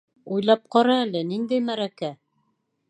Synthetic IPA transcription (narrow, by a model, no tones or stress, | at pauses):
ujlˠɑp̚qɑɾɑælɘnind̪æjmæɾækæ